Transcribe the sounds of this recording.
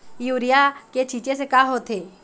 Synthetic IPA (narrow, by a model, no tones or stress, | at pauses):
juːɾijaket͡ʃʰiːt͡ʃesekaːɦoːt̪ʰeː